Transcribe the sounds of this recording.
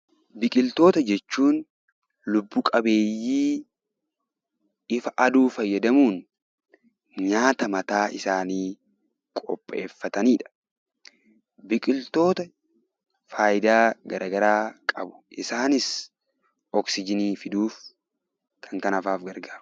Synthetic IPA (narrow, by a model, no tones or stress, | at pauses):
bɪkʼɪlt̪o̞ːt̪ɐd͡ʒɛt͡ʃːuːn | lʊbːuːkʼɐbe̞ːjːiː | ɪfɐʔɐd̪uːfɐjːɐd̪ɐmuːn | ɲaːt̪ɐmɐt̪aːʔɪsaːniː | kʼɔpʼːe̞̰ːfːɐt̪ɐniːᶑɐ̥ | bɪkʼɪlt̪o̞ːt̪ɐ | faːjɪd̪aːɡɐɾʔaːɡɐɾaːkʼɐbʊ̥ʔɪsaːnɪs | ɔksɪd͡ʒɪniːfɪd̪uːf | kʰɐŋkɐnɐfaːfɡɐɾɡaːɾʊ